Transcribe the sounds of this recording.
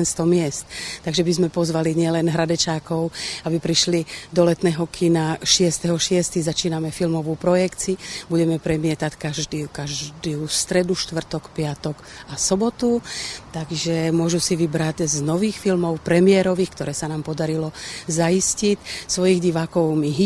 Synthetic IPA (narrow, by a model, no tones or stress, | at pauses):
nst̪ɔmɪɛst̪t̪aɡʒɛbizmɛpɔzʋaliɲɪɛlɛnɦɾad̪ɛt͡ʃaːkɔʊabipɾiʃlid̪ɔlɛt̪nɛːɦɔkʰinaʃɪɛst̪ɛɦɔʃɪɛst̪iɣzat͡ʃiːnamɛfilmɔʋuːpɾɔjɛkt͡sibuɟɛmɛpɾɛmɪɛt̪ackaʒd̪ikaʒd̪iust̪ɾɛd̪uʃt̪ʋr̩t̪ɔkpɪat̪ɔkasɔbɔt̪ut̪aɡʒɛmʊɔʒusiʋibɾaɟznɔʋiːxfilmɔʊpɾɛmɪɛɾɔʋiːxkt̪ɔɾɛːsanaːmpɔd̪aɾilɔzaiscicsʋɔjiɣɟiʋaːkɔʊmiɦ